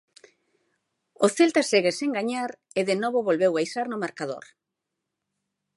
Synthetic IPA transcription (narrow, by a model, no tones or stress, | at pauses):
oθelt̪aseɣeseŋɡaɲaɾ | eðenoβ̞oβolβewajsaɾnomaɾkað̞o̰ɾ